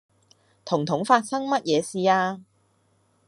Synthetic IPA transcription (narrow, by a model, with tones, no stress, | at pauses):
t̪ʰʊ˨˩ŋt̪ʰʊ˨˥ŋfaː˧t̚sɐ˥ŋmɐ˥t̚jɛː˨˧siː˧aː˧